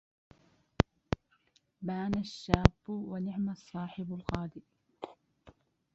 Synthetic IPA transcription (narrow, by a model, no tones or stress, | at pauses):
baːnaʃːaːbːʊwanɪʕmasˤːɑːħɪbalqɑːd̪ɪʔ